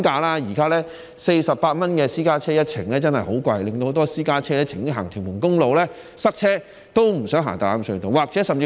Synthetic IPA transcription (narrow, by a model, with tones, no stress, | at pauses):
kaː˧laː˥jiː˨˩kaː˥lɛː˥ | se˧jsɐ˨p̚pːaː˧t̚mɐ˥nkɛː˧siː˥kaː˥t͡sʰɛː˥jɐ˥t̚t͡sʰɪ˨˩ŋlɛː˥t͡sɐ˥nhɐ˨jho˨˥wkʷɐ˧jlɪ˨ŋt̪o˧ho˧˦˥t̪ɔː˥siː˥kaː˥t͡sʰɛː˥lɛː˥t͡sʰɪ˨˩ŋ˥ɦaː˨˩ŋt̪ʰyː˨˩mʊ˨˩nkʊ˥ŋlo˨wlɛː˥ | sɐ˥k̚t͡sʰɛː˥ | t̪o˥wm̩˨˩sœː˨˥ŋɦa̰ː˨˩t̪aː˨la˨˥msɵ˧ɥt̪o˨˧waː˨k̚t͡sɛ˨˥sɐ˨mt͡siː˧